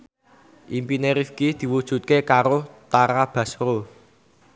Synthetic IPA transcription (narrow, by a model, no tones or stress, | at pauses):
ʔimpineɾifkid̪̥i̤wud̥ʒ̥ṳt̪̚kekaɾot̪aɾab̥a̤sro